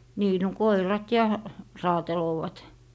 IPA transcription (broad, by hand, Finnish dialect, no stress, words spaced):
niː no koirɑt jɑ rɑːteloːʋɑt